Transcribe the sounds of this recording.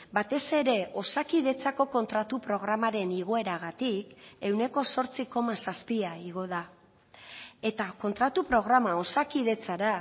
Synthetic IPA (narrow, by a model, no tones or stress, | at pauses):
bat̪e̞se̞ɾe̞ʔo̞sakiðe̞t͡sako̞ko̞nt̪ɾat̪upɾo̞ɣ̞ɾamaɾe̞niɣ̞o̞e̞ɾaɣat̪ike̞wne̞ko̞so̞ɾt͡siko̞masaspiaiɣ̞o̞ða | e̞t̪ako̞nt̪ɾat̪upɾo̞ɣ̞ɾamao̞sakiðe̞t͡saɾa